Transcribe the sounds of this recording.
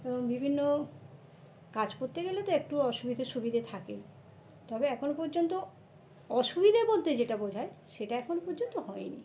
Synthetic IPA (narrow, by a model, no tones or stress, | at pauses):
eboŋbibʱinːo | kad͡ʑkoɾt̪eɡelet̪oek̚ʈuɔʃubʱid̪ʱaɾʃubid̪ʱet̪ʰake | t̪ɔbeɛkʰonopɔɾd͡ʑont̪o | ɔʃubid̪ʱabolt̪ed͡ʑeʈabod͡ʑʱaeʃeʈaɛkʰonopɔɾd͡ʑont̪ohɔenḭ